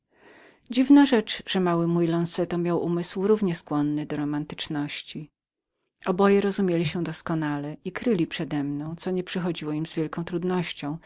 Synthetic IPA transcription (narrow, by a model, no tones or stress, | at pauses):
d͡ʑivnaʐɛt͡ʂʐ̥ɛmawɘmujlɔ̃nsɛt̪ɔmʲjawʔumɘswɾuvɲɛskwɔnːɘd̪ɔɾɔmant̪ɘ̥t͡ʂnɔɕt͡ɕi | ʔɔbɔjɛɾɔzumʲjelʲiɕɛd̪ɔskɔnalɛikɾɘlʲipʂɛd̪ɛmnɔ̃w̃t̪sɔɲɛpʂɘxɔd͡ʑiwɔimzvjɛlkɔ̃w̃t̪ɾud̪nɔɕt͡ɕɔ̃w̃